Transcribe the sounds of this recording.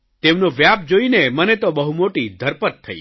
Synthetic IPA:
t̪emnoʋjap̚d͡ʒoinemənet̪obəɦumoʈid̪ʱəɾpət̪ʰːəḭ

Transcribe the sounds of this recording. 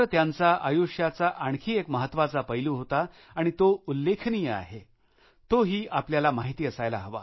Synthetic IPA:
əɾt̪jãnt͡saʔəjoʂjat͡saʔaɳkʰiːekməɦət̪ːʋat͡sapəjluːɦot̪a | aɽ̃it̪oulːekʰnijəa̰ɦe | t̪oɦiːʔapljalamaɦit̪iːəsajla̰ɦəʋa̰

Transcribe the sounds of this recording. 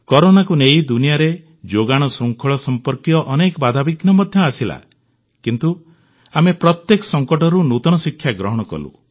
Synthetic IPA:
kɔɾonakunejd̪unijaɾe | d͡ʒoɡaɽ̃ɔsuŋkʰɔɭɔsɔmpɔɾkijɔʔɔnekɔbad̪ʱabiɡnɔmɔd̪ʱjɔasila̰ | kint̪u | amepɾɔt̪jekɔ̥sɔŋkɔʈɔɾunut̪ɔɽ̃ɔsikʰːjaɡɾɔɦɔɽ̃ɔkɔ̰lṵ

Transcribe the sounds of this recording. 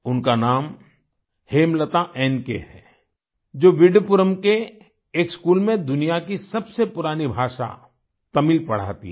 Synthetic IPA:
ʊnkanaːm | heːmlət̪aʔɛːnkḛɦɛː | d͡ʒoːʋɪɖpʊɾəmke | eːkskuːlmẽd̪ʊnijakisɐbsepʊɾaːnibʱaːʃa̰ | t̪ɐmilpɐɽ̤a̰ːt̪ḭɦɛ

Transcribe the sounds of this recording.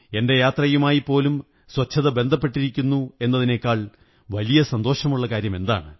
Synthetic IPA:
e̞nde̞jaːt̪rɐjumaːjipːo̞ːlum | swɐt͡ɕʰːɐðɐbe̞nd̪ʱɐpːe̞ʈːiɾikʲːunːue̞nːɐðine̞ːkːaːɭ | ʋɐlijɐsɐnd̪o̞ːʂɐmuɭːɐkaːɾjɐme̞nd̪a̰ːɳɨ

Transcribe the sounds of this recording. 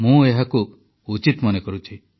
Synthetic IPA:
mũeɦaku | ut͡ʃit̪mɔnekɔɾut͡ʃʰi

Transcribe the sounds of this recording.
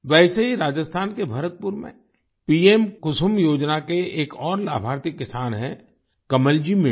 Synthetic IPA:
ʋɛːseɦiɾaːd͡ʒəst̪ʰaːnkebʱɐɾət̪̚pʊɾmḛ̃ | piːemkʊsʊmjoːd͡ʒnakeeːkɔːɾla̰ːbʱaːɾt̪ɪkːɪsaːnɦɛ̰̃ | kɐməld͡ʒimɪ

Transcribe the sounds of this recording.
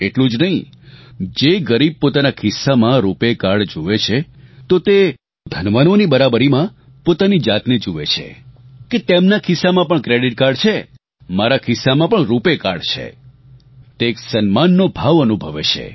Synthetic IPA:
eʈlũd͡ʒnəɦĩ | d͡ʒeɡəɾib̚pot̪anakʰɪsːamãɾupekaɽd͡ʒuʋet͡ʃʰe | t̪ot̪e | d̪ʱənʋanonibəɾabəɾimã | pot̪anid͡ʒat̪ned͡ʒuʋet͡ʃʰḛket̪emnakʰɪsːamãpəɳkɾeɽiʈ̚kaɾɖt͡ʃʰe | maɾakʰɪsːamãpəɳɾupeka̰ɽt͡ʃʰḛ | t̪eːksənmanːobʱaʋənubʱəʋet͡ʃʰḛ

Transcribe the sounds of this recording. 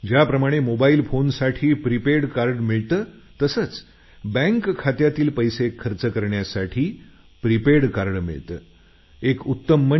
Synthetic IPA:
d͡ʑjapɾəmaɽ̃emobailfonsaʈʰiːpɾipeɽkaɾɖmiɭt̪əː | t̪əsət͡s | bɛ̃ŋkʰːat̪jat̪iːlpəjsekʰːəɾt͡səkəɾɳjasaʈʰiː | pɾipeɽkaɾɳmḭɭt̪əː | ekut̪ːəmːə

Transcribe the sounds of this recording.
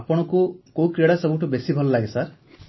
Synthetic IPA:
apɔɽ̃ɔkukowkɾiɽasɔbʱuʈubesibʱɔlɔlaɡesaɾ

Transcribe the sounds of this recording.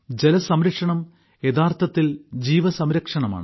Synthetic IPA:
d͡ʑelɐsɐmɾɐkʂɐɳɐm | e̞ðaːrt̪ʰɐt̪ːild͡ʑiːʋɐsɐmɾɐkʂɐɳɐma̰ːɳɨ

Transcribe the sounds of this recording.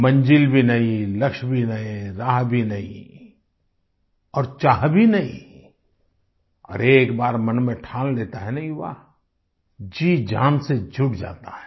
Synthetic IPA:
mɐ̃nd͡ʒilbʱinɐɦĩlɐkʃbʱinɐɦĩɾaːɦbʱinɐɦḭ̃ | ɔːɾt͡ʃaːɦbʱinɐɦĩ | ɔ̰ːɾeːkbaːɾmɐnmẽʈʰaːlleːt̪aɦɛnɐɦĩʋa̰ | d͡ʒiːd͡ʒa̰ːnsed͡ʒʱʊʈd͡ʒa̰ːt̪aɦɛ̥ː

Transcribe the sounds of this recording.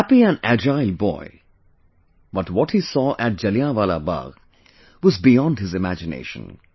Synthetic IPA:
hæpiæ̃næd͡ʒaɪlbɔ̰ɪ | bʌtwɔthisɔːʔæt̚d͡ʒ̥ʌliãʋala̰ba̰ɡ | wʌzbijɔ̃nd̚hɨzɨmæ̰d͡ʒɨnḛɪʃə̰̃n

